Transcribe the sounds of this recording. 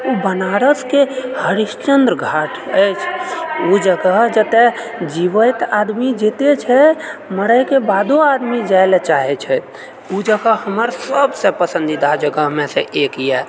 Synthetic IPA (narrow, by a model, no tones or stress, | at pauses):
ubənaɾəskehəɾiʃt͡ʃənd̪ɾɡʱaʈʰəjt͡ʃʰud͡ʒəɡəɦd͡ʒət̪e | d͡ʒiʋət̪ad̪mid͡ʒet̪et͡ʃʰɛməɾəɪkebad̪oad̪mid͡ʒaelet͡ʃaɦɛt͡ʃʰɛ | ud͡ʒəɡəɦhəməɾsəbsẽpəsə̃nd̪id̪ad͡ʒəɡəɦmẽsẽʔekjɛ